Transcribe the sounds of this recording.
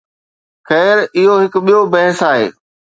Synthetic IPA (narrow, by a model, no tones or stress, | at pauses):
xɛːɾɪɦoɦɪkɓijobɐɦəsaːɦḛː